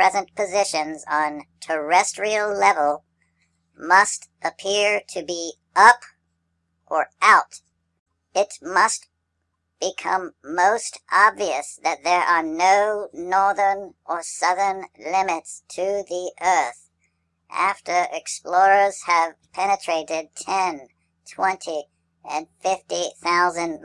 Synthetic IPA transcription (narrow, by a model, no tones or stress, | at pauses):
pʰɹ̥ɛzɨ̃npʰɨzɪʃɨ̃nzn̩tʰə˞ɛstɹ̥il̩ˠlɛvl̩ˠ | mʌst | ɨpʰɪɹɾɨbi | ʔʌp | ʔə˞ʔaʊt | ɪtmʌst | b̥ɨkʰʌ̃mːoʊstʔɑbviɨsðɨt̪̚ðə˞ʔə˞noʊnɔɹðə˞nʔə˞sʌðə˞nlɪ̃mɨtstʰɨðiʔɜ˞θ | ʔæ̰ftə˞ʔɨksplɔɹə˞z̥ɨv̥pʰɛnɨtʰɹ̥eɪɾɪd̚tʰɛ̃n | tʰw̥ɛ̃ntʰi | ɨ̰̃nfɪftiθaʊzɨ̃n